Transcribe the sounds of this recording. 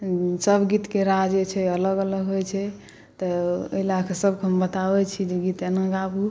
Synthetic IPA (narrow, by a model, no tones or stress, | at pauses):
səbɡit̪keɾad͡ʒet͡ʃʰɛələɡələɡɦojt͡ʃʰɛ | t̪ɔəɦilakʰesəb̚keɦəmbət̪abɛt͡ʃʰid͡ʒeɡit̪enaɡabu